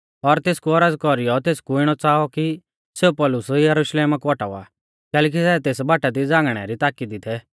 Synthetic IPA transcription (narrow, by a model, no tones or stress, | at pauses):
ɔɾt̪eːskuɔɾəd͡zkɔɾijɔt̪eːskuɪɽ̃ɔt͡saːɔki | seupɔlʊsjɐɾʊʃleːmakuɔʈa̰a̰ | kɛːlɛːk̬isɛt̪eːsbaːʈad̪id͡zãːŋɡɽ̃ɛ̰ɾit̪aːkid̪ɪt̪ʰɛ